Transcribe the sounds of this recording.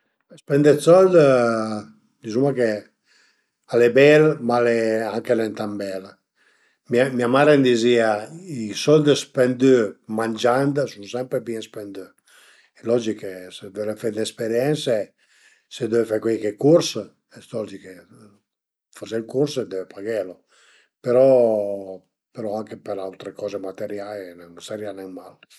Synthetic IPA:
ɛspɛnd̪esɔld̪ | d̪izumake | alebɛlmaleaŋkenɛnt̪ambɛl | miamiamaɾend̪iziaisɔld̪spɛnd̪ømand͡ʒand̪sunsɛmpɾepispɛnd̪ø | ɛlɔd͡ʒikesed̪ɛvefedespeɾjɛnse | sed̪ɛvefakwikekuɾs | ɛst̪ɔd͡ʒike | fɔselkursed̪ɛvepʰaɡelo | peɾɔ | peɾɔaŋkepeɾawt̪ɾekɔːzemat̪eɾjalinɛnsɛɾjanɛmal

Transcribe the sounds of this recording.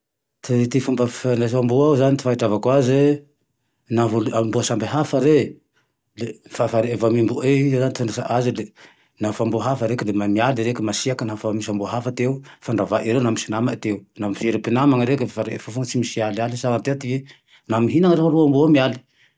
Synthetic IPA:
t̪it̪ifumbəfnaambuawzanit̪i̥faɦiʈ͡ʂavakwazwe | navoluambuasambeɦafaɾe | lefafaɾeevamimbueizanit̪onesaʔazile | nafambuɦafəɾekəlemamialɾekəmasiakənafamisambuɦafat̪eufaɳɖ͡ʐavaʔiɾewnamisinamat̪eunamifeɾipinamaŋaɾekʲəfaɾefafuŋət͡simisialialisaŋat̪eat̪ive | namiɦinaŋɾefɾuambuamiali̥

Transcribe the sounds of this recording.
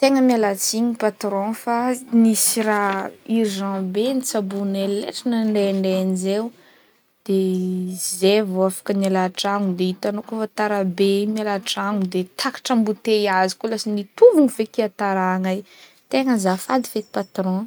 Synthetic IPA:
t̪eŋəmialat͡siɲipat̪ɾõfanisiraiɾiʒãbenit͡sabunelḛʈ͡ʂinaɳɖ͡ʐeɳɖ͡ʐeanizew | d̪̥ezevoafḁkənalaʈ͡ʂaŋud̪eit̪anokofat̪aɾabemialaʈ͡ʂaŋud̪et̪ʰakḁʈ͡ʂambut̪ejazi̥kolasinit̪uvuŋiv̥ekiat̪aɾaŋaj | t̪eŋəzafad̪iveki̥pat̪ɾɔ̃

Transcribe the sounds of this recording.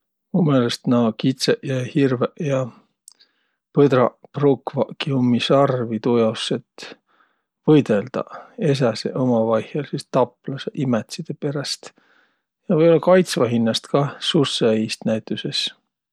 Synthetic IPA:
mumelest̪nɑkit̪seʔjɑhirveʔjɑ | pɤd̪rɑprukvɑkiumːisɑrvit̪ujosːet̪ | vɤjd̪̥e̞ld̪̥ɑ̰e̞s̬æsḛʔomɑvɑjhjɑlsist̪ɑplɑseʔimet̪sid̪̥epe̞ɾɑst̪ | jɑvɤjolːɑkɑjt̪svɑɦinːɑst̪kɑsusːeijst̪næjt̪ːˑuse̞s

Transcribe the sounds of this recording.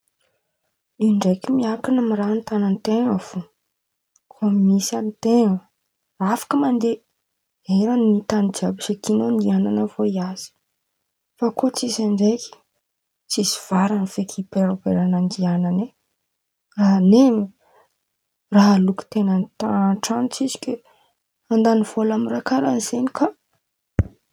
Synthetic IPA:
iɳɖ͡ʐekimiakanamiɾant̪anant̪eŋəv̥o | kʰomimisant̪eŋə | afḁkəmand̪e | eɾanːit̪anid͡ʒiabiʃekinond̪iananəvoiaz̥i̥ | fakot͡sizaɳɖ͡ʐejki̥ | t͡siziv̥aɾanifekʰipeɾopeɾanand̪ianane | raɦnemi | raɦaluki̥t̪enant̪aʈ͡ʂanit͡sizi̥kʲe | and̪aniv̥olamirakaɾanz̥enika

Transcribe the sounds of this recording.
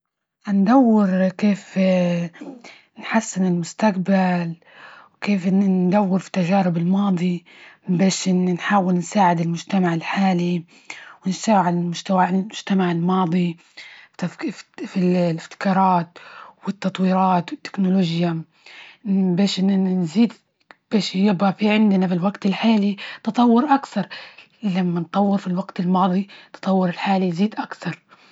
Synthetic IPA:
ʔand̪awːɪɾkeːf | nħasːɪnɪlmʊst̪akbal | wkeːfd̪awːɪɾfi̥t̪ːaʒaːɾɪbɪlmɑːd̪ˤi | beːʃʔɪnːinħaːwɪlnsaːʕɪd̪ɪlmʊʒt̪amaʕɪlħaːli | wɪnsawʕalɪlmʊʒt̪awaɪlmʊʒ̥t̪amaʕɪlmɑːd̪ˤi | fillɪft̪ɪ̥kɑːɾˤɑːt̪wɪt̪ːɑt̪ˤwiːɾɑːt̪wɪt̪ːɪ̥knʊloːʒja | beːʃʔɪnziːd̪ | b̥eːʃjɪbafiʕɪnd̪nafilwaɡt̪ɪlħaːlit̪ɑt̪ˤɑwːʊɾʔakθɑɾˤ | lamːant̪ˤɑwːɪɾfilwaɡt̪ɪlmɑːðˤit̪ɑ̥t̪ˤɑwːʊɾɪlħaːliziːd̪ʔakθɑɾˤ

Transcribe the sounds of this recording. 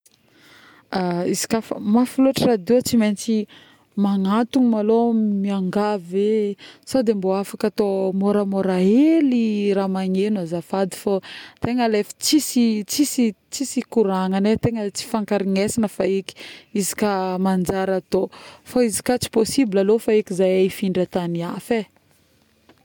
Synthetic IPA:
aizi̥kafə̰mafiluaʈ͡ʂirad̪et͡siment͡si | maŋat̪uŋimalomiaŋɡavesod̪emboafakat̪omoɾəmoɾaeliɾamaɲenuazafad̪i̥fot̪eŋəlefə̥t͡sisit͡sisi | t͡sisikuɾaŋanet̪eŋət͡si̥faŋkaɾiŋesanəfaiki̥izi̥kamand͡ʒaɾat̪ofaizi̥kat͡si̥posibilalofaekizajaifiɳɖ͡ʐat̪aniafe

